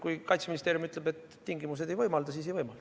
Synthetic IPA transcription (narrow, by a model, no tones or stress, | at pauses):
kujkɑjt̪seminist̪eːɾjumyt̪lebe̞t̪ːiŋɡimus̬e̞d̪e̞jvɤjmɑld̪ɑsiːs̬e̞jɤjmɑld̪̥